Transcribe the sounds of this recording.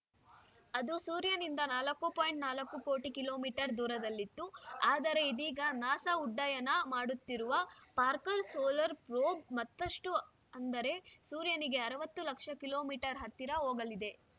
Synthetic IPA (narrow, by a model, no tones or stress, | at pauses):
ɐd̪usuːɾjɐnind̪ɐnaːlɐkːupoːjiɳʈnaːlɐkːuko̞ːʈikilo̞ːmiːʈɐɾd̪uːɾɐd̪ɐlːit̪ːuaːd̪ɐɾe̞id̪iːɡɐnaːsɐuɖːajɐnɐmaːɽut̪ːiɾuʋɐpaːɾkɐɾsoːlɐɾpɾoːbmɐt̪ːɐʂʈu | ɐnd̪ɐɾe̞suːɾjɐniɡe̞ɐɾɐʋɐt̪ːulɐkʂɐkilo̞ːmiːʈɐɾɦɐt̪ːiɾɐɦoːɡɐlid̪e̞